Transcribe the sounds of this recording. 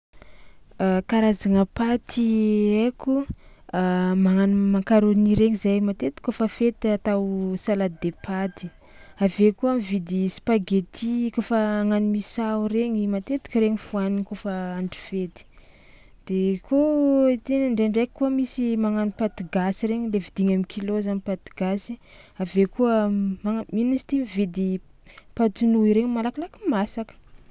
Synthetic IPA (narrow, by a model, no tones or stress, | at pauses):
kaɾazaŋapat̪ieku | maŋanmakaɾoniɾeŋizajmat̪et̪i̥kofəfet̪at̪awsalad̪epat̪i̥ | avekuamivid̪ispaɡet̪ʰikofəaŋanimisawɾeɲimat̪et̪i̥kɾeɲifuaniŋkofəaɳɖ͡ʐi̥fet̪i̥ | d̪̥ekʰoit̪enaɳɖ͡ʐeɳɖ͡ʐeki̥kuəmisimaŋanipat̪iɡasiɾeɲilevid̪iŋamikʰilozanipat̪i̥ɡ̥asi | avekuəmaminisi̥t̪imivid̪i | pat̪unuiɾeŋimalakilakimasakə̥